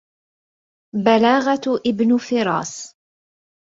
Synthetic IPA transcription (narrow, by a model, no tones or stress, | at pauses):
balaːɣaʔɪbnʊfɪɾˤɑ̰ːs